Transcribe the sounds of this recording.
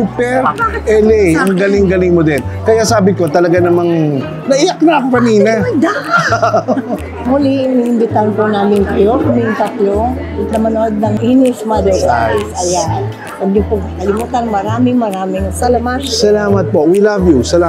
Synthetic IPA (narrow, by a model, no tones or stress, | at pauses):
upɛɾʔɛlɛjʔɐŋɡɐlɪŋɡɐlɪŋmod̪ɛnkɐjasaːbɪko̞t̪ɐlɐɡanɐmaŋ | nɐʔɪjak̚naɐkopɐniːnɐd̪a | muliŋiʔɪmbɪt̪anponaːmɪŋkɐjoɾmɪŋt̪ɐt̪loŋ | ɐt̪̚nɐmɐnoʔod̪̚nɐŋʔinɪsmad̪oɾasɐjan | pɐɡd̪ɪpʊkɐlɪmuːt̪ɐnmɐɾaːmɪŋmɐɾaːmɪŋsalɐmasɐlaːmɐt̪̚po̞wilavjusɐlaː